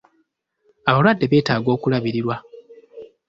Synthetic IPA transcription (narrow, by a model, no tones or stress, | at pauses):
aβalwadːe̞βe̞ːtaːɡo̞ːkulaβiɾiɾwa